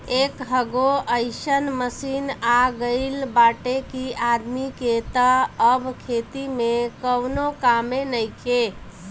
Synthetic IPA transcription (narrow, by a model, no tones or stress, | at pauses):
ekɦəɡoʔəɪsənməsinaɡəɪlbaʈekiad̪miket̪əəbkʰet̪imekəwnokamenəjke